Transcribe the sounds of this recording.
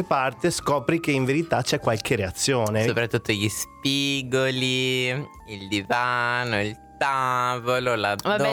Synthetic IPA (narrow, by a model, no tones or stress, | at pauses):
epart̪eskɔːpɾik̟eiɱveɾit̪at͡ʃɛkːwalkeɾeat̪sːjoːneopɾat̪ːut̪ːoʎispiɡoli | ild̪ivanoilt̪avololavabɛ